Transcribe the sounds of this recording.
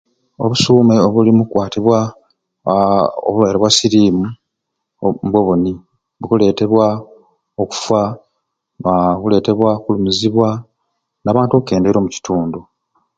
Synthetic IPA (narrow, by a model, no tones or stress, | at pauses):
o̞̰βusuːme̞oβulimukwaːtiβwa | o̰βuβeːɾeβwasiɾiːmu | mbwoβoni | βukule̞ːte̞βwa | oku̥fwa | aβule̞ːte̞βwakulumuziβwa | naːβaːntuoβke̞ːnde̞ːɾo̞ːmuci̥tuːndu